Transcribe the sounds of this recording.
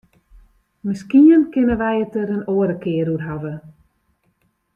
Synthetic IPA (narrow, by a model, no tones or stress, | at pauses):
mɪskiənkɪnəʋɛjətəɾənoːəɾəkɪəɾutɦavə